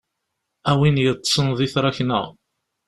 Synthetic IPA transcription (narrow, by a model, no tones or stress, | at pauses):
æwinjət̪ˤːsˤənðˤiθɾˤɑçnə̰ʁ